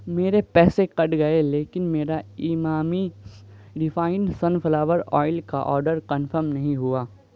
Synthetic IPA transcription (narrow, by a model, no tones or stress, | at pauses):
meːɾepɛːseqɐʈɡɐeleːkɪnmeːɾaimaːmi | ɖɪfaːɪ̃nsɐnfɐlaːʋəɾɔ̰ːɪlka̰ʔɔ̰ːɾɖəɾkɐnfəɾmnɐɦĩɦuaː